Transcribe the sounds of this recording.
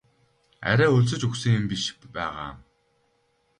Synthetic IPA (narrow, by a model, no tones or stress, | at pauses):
æ̰ɾʲæːɵɮs̬ɵ̆t͡ɕɵxsɘ̆ŋʊmpiʃkpæ̰ːʁa̰ː